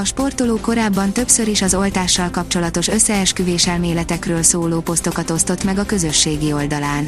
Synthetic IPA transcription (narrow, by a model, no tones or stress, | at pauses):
ɒʃpo̞rt̪oloːko̞ɾaːbːɒnt̪ø̞psø̞ɾiʃɒzo̞lt̪aːʃːɒlkɒp̚t͡ʃo̞lɒt̪o̞ʃø̞sːɛɛʃkyveːʃɛlmeːlɛt̪ɛkrøːlsoːloːpo̞st̪o̞kɒt̪o̞st̪o̞t̪mɛɡɒkø̞zø̞ʃːeːɡio̞ld̪ɒlaːn